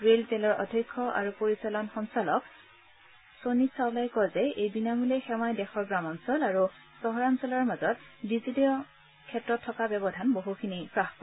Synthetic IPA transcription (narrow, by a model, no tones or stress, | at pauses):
ɹelzɛlɔɹʔɔ̰dʱɔkʰːɔʔa̰ɹupoɹisalɔnxɔnsalɔk | sonisawlajkɔjzɛejbinamulɛxɛmɔjdɛxʰɔɹɡɹamɔnsɔlaɹu | sɔɦɔɹansɔlaɹmazɔtdizidijɔ | kʰɛtɹɔtʰːɔkabɛbɔdʱanboɦukʰinipɹaxpɔɹ